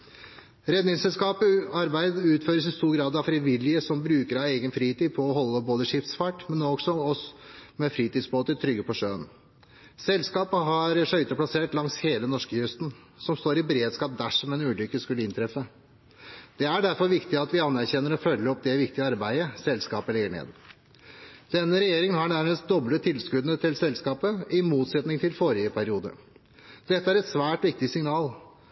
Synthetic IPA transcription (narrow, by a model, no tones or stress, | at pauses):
ɾɛd̪nɪŋsɛlskɑːpəɑɾbæɪd̪əʉːt̪føːɾəsɪst̪uːɾɡɾɑːd̪ɑʋfɾɪʋɪlːɪəsɔmbɾʉːkəɾɑeɪɡənfɾiːt̪iːd̪pʰɔɔɦɔlːəboːd̪əʂɪft̪sfɑʈmɛnːɔɡsɔɔsmɛfɾiːt̪iːd̪sboːt̪ət̪ʰɾʏɡːəpʰɔʂøːən | sɛlskɑːpəɦɑɾʂœʏt̪əplɑseːʈlɑŋsheːlənɔʂkəjʉst̪n̩ | sɔmst̪oːɾɪbɾeːd̪skɑːp̚d̪æʂɔmɛnʉːlʏkːəskʉləɪnt̪ʰɾɛfːə | d̪̥ɛæɖæɾfɔɾʋɪkt̪ɪəɑt̪ʋɪɑnːæɾçɛnːəɾɔfœlːəɔp̚d̪ɛʋɪkt̪ɪəɑɾbæɪəsɛlskɑːpəlɛɡəɳḛːd̪ | d̪̥ɛnːəɾɛjeːɾɪŋənɦɑɳæɾməst̪̚d̪ɔblət̪ʰɪlskʉd̪nət̪ʰɪlsɛlskɑːpəɪmuːt̪sɛt̪nɪŋt̪ʰɪlfoːɾɪəpʰæɾɪuːd̪ə̰ | d̪̥ɛt̪ːəæɾɛt̪sʋæːʈʋɪk̚t̪ɪsɪŋnɑːl